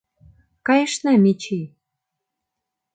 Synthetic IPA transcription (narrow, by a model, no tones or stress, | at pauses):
kɑjə̆ʃnɑmit͡ɕij